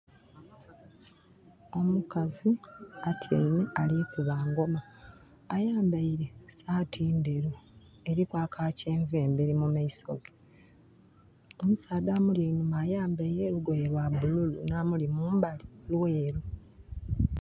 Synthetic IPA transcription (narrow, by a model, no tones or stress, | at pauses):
o̞mukaziatʰja̰ineʔalikuβaːŋɡo̞maː | jaːmbaiɾesaːtʰiːndeɾu | eɾikwaːkʰaːceːɱveːmbeɾimumaiso̞̰ɡe | omusaːd̪amulinumajaːmbaiɾeɾuɡweɾwabululṵnamulimuːmbalilweːɾu